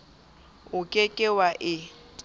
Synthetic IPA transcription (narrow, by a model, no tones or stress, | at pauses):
ʊkʼekʼɪwaʔɪ